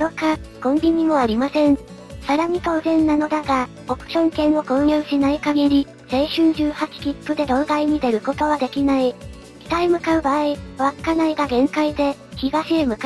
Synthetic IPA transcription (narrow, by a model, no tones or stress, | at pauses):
d̪okakõ̞mbʲiɲ̟imo̞aɾʲimasẽ̞ɴ | saɾaɲ̟it̪o̞ːzẽ̞nːano̞d̪aɡa | o̞kɯ̟̥ɕõ̞ŋkẽ̞ɰ̃o̞kõ̞ɰ̃jɯːɕinaikaɡeɾʲi | seiɕɨ̃ːnd͡ʑɨːhat͡ɕi̥kʲipːɯ̟d̪e̞d̪o̞ːɡ̪aiɲ̟id̪e̞ɾɯ̟ko̞t̪o̞β̞ad̪e̞kʲinai | kʲi̥t̪aimɯ̟kaɯ̟baːiβakkːanaiɡaɡẽ̞ŋkaid̪e̞ | çiɡaɕiemɯ̟ka